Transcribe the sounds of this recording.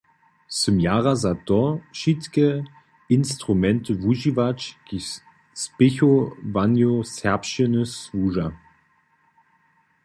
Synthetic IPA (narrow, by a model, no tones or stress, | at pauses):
səmjaːʁazatɔʃitkə | ɪnstʁ̥umɛntʰəvuʒivat͡ʃɡ̥i | spɪçovanjosɛɐpʃənəsvuːʒa